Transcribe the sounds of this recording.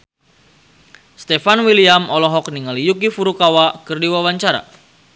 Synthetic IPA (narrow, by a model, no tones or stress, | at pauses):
st̪ɛfanwiliamɔlɔɦɔk̚niŋalijukifuɾukawakɨrdiwawaɲt͡ʃaɾa̰